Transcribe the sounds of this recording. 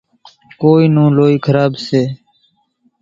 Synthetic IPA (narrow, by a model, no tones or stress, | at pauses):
koːiːnũːloːiːkʰəɾaːbseː